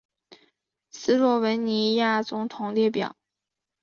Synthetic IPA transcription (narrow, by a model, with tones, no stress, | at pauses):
sɹ̩˥lwɔ˥˩wə˧˥nni˧˥ja˥˩t͡sʊ˧˥ŋt̪ʰʊ˨˩ŋljɛ˥˩pjɑ̰˨˩˦ʊ